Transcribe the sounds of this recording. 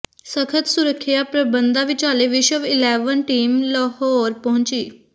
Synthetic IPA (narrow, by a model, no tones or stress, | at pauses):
səkʰət̪sʊɾəkʰːɪjaːpɾəbənd̪ãːʋɪt͡ʃaːleːʋɪʃəʋɪlɛːʋənʈiːmlɔːhɔːɾpəɦʊ̃ɲt͡ʃiː